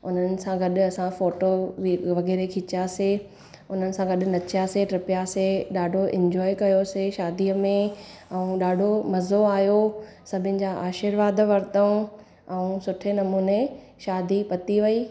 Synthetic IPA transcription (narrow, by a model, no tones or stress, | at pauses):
ʊn̤ənɪ̆sãɡɐɗʊɐsãfoːʈoʋʋɐɣɛːɾekʰɪt͡ɕase | ʊn̤ənɪ̆sãɡɐɗʊ̆nɐt͡ɕjaseʈɾɪpjaseɗaːɖʱoʔɪ̃ɲd͡ʑɔːikɐjoseʃaːd̪ʱiəmẽɛũɗaːɖʱomɐzoaːɦjo | sɐbʱɪ̃nɪ̆d͡ʑaːʔaːʃɪɾʋaːd̪ʋɐɾɪt̪əũ | ɛũsʊʈʰenɐmuːne | ʃaːd̪ʱipɐt̪iʋɐiː